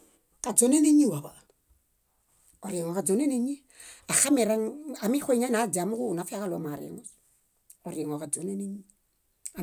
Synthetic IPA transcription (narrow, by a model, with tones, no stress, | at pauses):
ka˨d͡ʒo˨ne˦ne˦ɲi˦˨wa˨wa˨ | o˨ɾi˨ŋo˨ka˨d͡ʒo˨ne˦ne˦ɲi˦ | a˨xa˦me˨ɾa˦ŋa˨mi˦xe˦ɲa˦na˨˦d͡ʒa˨mu˦ku˦˨na˨˦fi˦a˦ka˦lo˦ma˨ɾḛŋo˦s | o˨ɾi˨ŋo˨ka˨d͡ʒo˨ne˦ne˦ɲi˦ | a˨